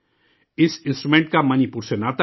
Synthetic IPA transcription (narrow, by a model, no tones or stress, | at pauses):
isinst̪ɾumẽnt̪̚kamanipulsjonat̪